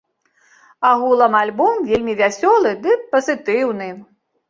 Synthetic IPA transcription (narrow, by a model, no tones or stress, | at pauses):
aɣulˠɐmalʲbɔmvʲelʲmʲivʲasʲɔlˠɨd̪ɨpɐzɨt̪ɨwnɨ